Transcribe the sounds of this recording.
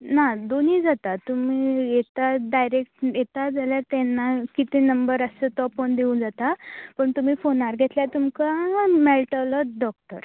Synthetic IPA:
nad̪oniːd͡zat̪at̪umiːjet̪aɖajɾek̚ʈjet̪ad͡zaljaɾt̪ɛ̃nːakit̪enəmbəɾəsət̪ɔpond̪eũːnd͡zat̪apəɳt̪um̤iːfonaɾɡʱet̪ljat̪umkamɛlʈaləɖɔk̚ʈə̰ɾ

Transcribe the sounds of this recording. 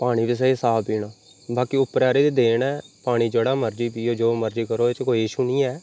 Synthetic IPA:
paːɽ̃iːd̪es̬əiːsaːpiːnaː | baːkiːʊpːəɾaːɾeːd̪eːd̪eːnɛːpaːɽ̃iːd͡ʒeɽaːməɾd͡ʒiːpiːoːd͡ʒoːməɾd͡ʒiːkəɾoːet͡ʃkoːiːʃunĩːɛː

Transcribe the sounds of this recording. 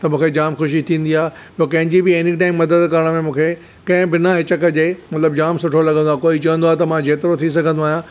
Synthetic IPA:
t̪ɐmũːkʰed͡ʑaːmxʊʃ̬it̪ʰĩːnd̪iaːɦe | joːkɐ̃ɦɪ̃ɲd͡ʑibɪeɪnɪkʈaːɪmːɐd̪əd̪kɐɾəɽ̃əmẽmũːkʰe | kɐ̃ɦɪ̃bɪnaɦɪt͡ɕəkəd͡ʑeːmɐt̪ləbd͡ʑaːmsʊʈʰolɐɡə̃nd̪oaːkoːit͡ɕɐʋə̃nd̪oaːɦet̪ɐmãd͡ʑeːt̪ɪɾot̪ʰis̬ɐɡʱə̃nd̪oaːɦjã

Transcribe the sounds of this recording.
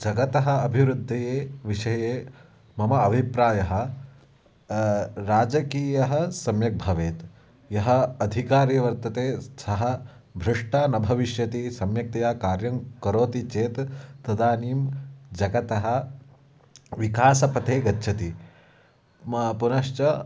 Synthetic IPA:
d͡ʒɐɡɐt̪ɐɦɐ̆ːbʱiʋɾud̪ʱːɐjeːʋiʂɐjeː | mɐmɐɐbʱipɾaːjɐɦɐ̆ | ɾaːd͡ʒɐkiːjɐɦɐ̆sɐmjɐk̚bʱɐʋeːt̪ | jɐɦɐɐd̪ʱikaːɾjɐʋɐɾt̪ɐt̪eːsɐɦɐ̆ | bʱɾɐʂʈaːnɐbʱɐʋiʃjɐt̪isɐmjɐk̚t̪ɐjaːkaːɾjɐŋkɐɾoːt̪it͡ʃeːt̪t̪ɐd̪aːniːmd͡ʒɐɡɐt̪ɐɦɐ̆ | ʋikaːsɐpɐt̪eːɡɐtːʃʰɐt̪i | punɐʃt͡ʃɐ

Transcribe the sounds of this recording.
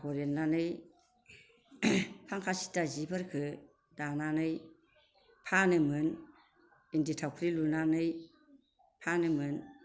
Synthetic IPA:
kɔɾenlanɯj | pʰaŋkʰasi̥tazibɯɾkʰɯ | dananɯj | pʰanɯmɯn | inditʰawkʰɾilunanɯj | pʰanɯmɯn

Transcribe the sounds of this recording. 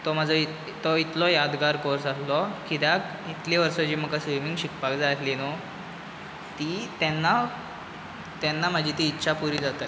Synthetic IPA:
t̪ɔm̤ad͡zəi | t̪ɔit̪lɔjad̪ɡaɾkoɾsaslɔkʰid̪ak | it̪leʋəɾsɔd͡ʑiːm̤əkːasʋimiŋɡɕikpakd͡zat̪lino | t̪it̪ɛnːa | t̪ɛnːam̤əd͡ʑʱiːt̪iːtːɕʰapuɾiːd͡zat̪a

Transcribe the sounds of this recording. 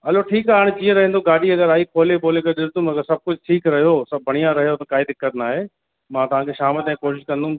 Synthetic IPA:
ɐloʈʰiːkaːɽ̃t͡ɕiẽɾɐɦẽːn̆d̪oɡaːɗiɐɡəɾaːikʰoːleboːlekɐɗɪst̪ũmɐɡəɾsɐb̚kʊd͡ʑʱʊʈʰiːkɾɐɦijosɐbbʱɐɽ̃ijãɾɐɦijot̪ɐkaːɦid̪ɪkːət̪naːɦeː | mãːt̪ɐʋ̤ãːkʰeʃaːmɪlt̪ɛ̃koːʃɪʃkɐ̃nd̪ũ

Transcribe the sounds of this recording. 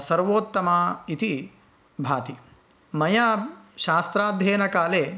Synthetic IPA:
sɐɾʋoːt̪ːɐmaːit̪i | bʱaːt̪i | mɐjaːʃaːst̪ɾaːd̪ʱjeːnɐkaːleː

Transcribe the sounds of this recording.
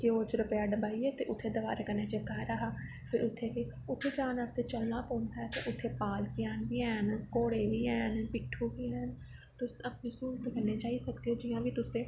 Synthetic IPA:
keoːt͡ʃɾəpejaːɖəbaːiɛːt̪eːʔʊt̪ʰːeːd̪əʋaːɾkəneːt͡ʃəkaːɾəɦaː | pʰɪɾʊt̪ʰːeːke | ʊt̪ʰed͡ʒaːnaːst̪eːt͡ʃəlnaːpõːnd̪aːɛːt̪eʔʊt̪ʰːeːpaːlkɪjaːnbiːɛːnkoːɽeːʋiːɛːnpɪʈʰːuːʋiːɛːn | t̪ʊsəpneːsuːɾt̪ːkəɾneːt͡ʃaːisəkd̪eːɦoːd͡ʒɪjãːbiːt̪ʊsẽː

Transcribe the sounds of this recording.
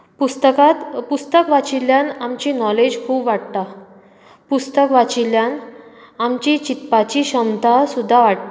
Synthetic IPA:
pust̪əkat̪pust̪əkʋat͡ɕiljanamt͡ɕiːnɔled͡ʑkʰuːbʋaɽt̪a | pust̪əkʋat͡ɕiljan | amt͡ɕit͡ɕit̪pat͡ɕiːɕəmt̪asud̪ʱːaʋaʈ̚t̪a

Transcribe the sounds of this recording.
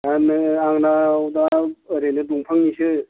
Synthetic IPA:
anɯaŋnawd̪aɾenɯduŋpʰɯŋnisɯ

